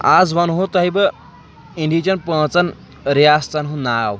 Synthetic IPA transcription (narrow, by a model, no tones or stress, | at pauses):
ad͡zʋanɦõt̪aɦibə | iɳɖit͡ɕanpə̃ːt͡san | ɾiast͡sanɦũnaːw